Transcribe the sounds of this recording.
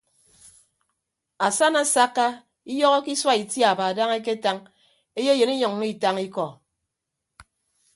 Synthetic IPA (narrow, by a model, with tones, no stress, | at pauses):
a˨sa˦na˦˨sa˦kːa˦ | i˦jɔ˦ɣɔ˦ki˦swa˦i˨tja˨ba˨da˦ŋe˦k̬e˦ta˦ŋ | e˦je˦je˨ni˦ɲɔ˨ŋː˦i˦˨ta˦ŋi˦kɔ˨